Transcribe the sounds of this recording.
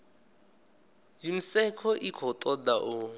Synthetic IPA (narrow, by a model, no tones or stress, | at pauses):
jim̩sɛkʰɔʔikʰɔt̪ʼɔd̪aʔu